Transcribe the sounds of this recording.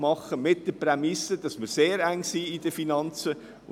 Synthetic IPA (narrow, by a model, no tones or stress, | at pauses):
mɑχəmɪt̚d̥əpɾɛmɪsəd̥ɑsmɪɾseːɾæŋsiːɪdəfinɑnt͡sə